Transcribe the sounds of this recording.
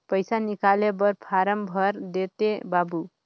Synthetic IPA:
pəjsanikalebʌɾpʰaɾəmbʱʌɾd̪et̪ebabu

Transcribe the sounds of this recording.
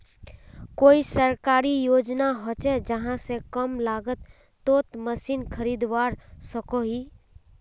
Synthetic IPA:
koːisəɾkaːɾijoːd͡ʒnaɦot͡ʃɛd͡ʒəɦãsekəmlaːɡət̪ː | oːt̪məsiːnkʰəɾid̪ʋaːɾsəkoɦiː

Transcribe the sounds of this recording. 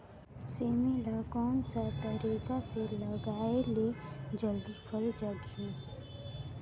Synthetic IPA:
seːmelakɔːnsat̪əɾikaseləɡaːeled͡ʒəld̪ipʰəld͡ʒəɡĩː

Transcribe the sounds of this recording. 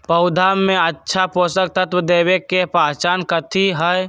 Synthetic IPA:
pəʊd̪ʱaːmːẽətːʃʰapoːsək̚t̪ət̪wəd̪eːwekepaːt͡ʃaːnkət̪ʰiɦəj

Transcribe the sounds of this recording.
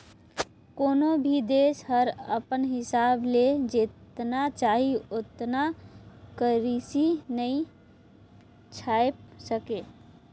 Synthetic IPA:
konobʱid̪eshəɾə̰pənɦɪsabled͡ʒet̪nat͡ʃaɦiot̪nakəɾisinəĩ | t͡ʃʰajp̚səke

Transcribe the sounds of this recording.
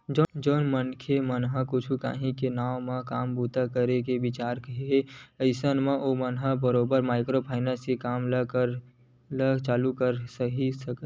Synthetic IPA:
d͡ʒoːnmənkʰemənɦəkʊt͡ʃʰuka̰ːɦĩkenaːʊmãkaːmbuːt̪akəɾekebɪt͡ʃaːɾkəɦeɦeəɪsənmẽʔomənɦəbəɾoːbəɾmaːɪkɾopʰaːɪnəsekaːmləɾ | lət͡ʃaːlukəɾsəɦisək

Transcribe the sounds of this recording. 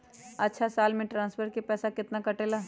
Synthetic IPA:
ɐtːʃʰasaːlmẽʈɾãːnsfʰəɾkepɛːsakɪt̪nakɐʈeːlaː

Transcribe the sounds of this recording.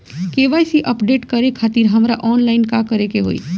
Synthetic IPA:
keʋajsiʔəpɖeʈkəɾekʰat̪iɾɦəmɾaʔɔːnlaɪnkakəɾekeɦo̰ḭ

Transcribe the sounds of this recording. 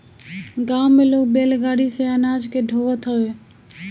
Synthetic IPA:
ɡaːmːeloːk̚beːlɡaːɽiseənaːd͡ʒkeɖʱoət̪ɦəʋe

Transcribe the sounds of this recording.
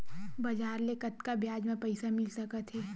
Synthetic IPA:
bɐd͡ʒaːɾlekɐt̪kabjaːd͡ʒmẽpɐɪsamɪlsɐkət̪ʰɦeː

